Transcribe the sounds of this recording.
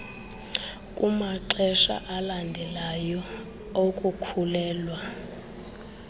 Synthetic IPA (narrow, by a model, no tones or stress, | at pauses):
kʼumaǀɛʃa̰ʔalandʱɛlajɔ | okʼukʰulɛːlwa